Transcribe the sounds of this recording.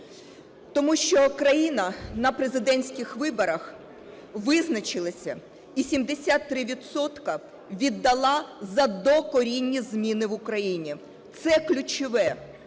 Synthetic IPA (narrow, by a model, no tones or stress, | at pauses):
t̪ɔmuʃt͡ʃɔkɾɐjinɐnɐpɾezɪd̪ɛnʲsʲkʲɪxʋɪbɔɾɐx | ʋɪznɐt͡ʃɪlˠɐsʲɐ | isʲimd̪esʲat̪ːɾɪʋʲid̪sɔt̪kɐ | ʋʲid̪ːɐlˠɑzɐd̪ɔkɔɾʲinʲːizʲmʲinɪʋʊkɾɐjinʲi | t̪sɛklʲʊt͡ʃʊʋɛ